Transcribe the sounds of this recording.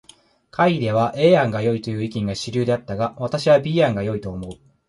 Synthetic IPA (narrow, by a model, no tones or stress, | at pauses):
kʰaid̪e̞β̞aʔe̞ːãŋɡajo̞it̪o̞jɯ̟ːikʲĩŋɡaɕiɾʲɨ̟ːd̪e̞at̪ːaɡaβat̪aɕiβabʲiːãŋɡajo̞it̪o̞ːmo̞ɯ̟